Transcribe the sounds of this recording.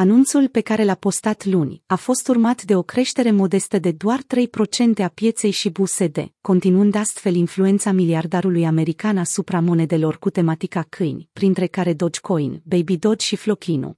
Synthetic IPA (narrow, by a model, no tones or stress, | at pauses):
anunt̪sulpe̞kaɾe̞lapo̞st̪at̪lunʲafo̞st̪urmat̪d̪e̞o̞kɾe̞ʃt̪e̞ɾe̞mo̞d̪e̞st̪əd̪e̞d̪oart̪ɾe̞jpɾo̞t͡ʃe̞nt̪e̞apje̞t̪se̞jʃibuse̞d̪e̞̰ko̞nt̪inuɨnd̪ast̪fe̞linflue̞nt̪samiliard̪aɾulujame̞ɾikanasupɾamo̞ne̞d̪e̞lo̞rkut̪e̞mat̪ikakʰɨjnʲpɾint̪ɾe̞kaɾe̞d̪o̞d͡ʒkʰo̞jnbejbid̪o̞d͡ʒʃiflo̞kʲinṵ